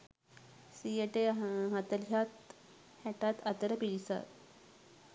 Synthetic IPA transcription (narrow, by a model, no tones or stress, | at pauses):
sieʈeɦat̪əljat̪ | hɛʈat̪at̪əɾəpilisa̰t̪